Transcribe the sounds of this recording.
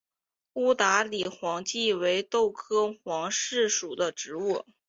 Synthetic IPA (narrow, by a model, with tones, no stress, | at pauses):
u˥˩t̪a˧˥li˨˩xwɑ˧˥ŋt͡ɕi˥˩we˧˥ɪt̪o˥˩ʊkʰɤ˥xwɑ˧˥ŋʂɻ̩˥˩ʂu˨˩d̪ə˦ʈ͡ʂɻ̩˧˥u˥˩